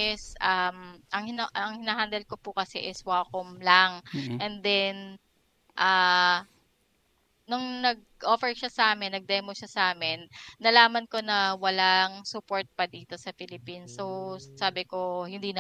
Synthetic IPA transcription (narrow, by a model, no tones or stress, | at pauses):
ɛsʔamʔɐŋhɪnʔɐŋhɪnaːɦand̪ɛlkopʊkɐsɛ̰ʔɪswaːkʊmlaŋʔɛnd̪ɛn | ʔa | nʊŋnɐɡ̚ʔoːfɛɹʃasɐʔaːmɪnːɐɡ̚d̪ɛmoʃɐsɐʔaːmɪnːɐlaːmɐnko̞nɐwɐlaŋsʊpo̞ɹt̪̚pɐd̪iːt̪o̞sɐpɪlɪpinsosaːbɪko̞hɪnd̪iːnɐ